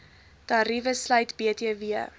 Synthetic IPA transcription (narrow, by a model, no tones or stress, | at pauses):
tɐɾivəslœjtbeətiəviə